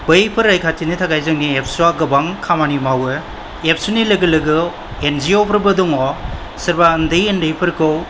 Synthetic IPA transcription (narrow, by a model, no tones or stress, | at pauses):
bɐjpʰɯɾajkʰatinitʰaɡajzɯŋniep̚ʰsuaɡɯbaŋkʰamanimawɯ | ep̚ʰsunilɐɡɯlɯɡɯ | end͡ʒiopʰɯɾbɯduŋɔ | sɐɾbaɐndɯjendɐjpʰɯɾkʰɯw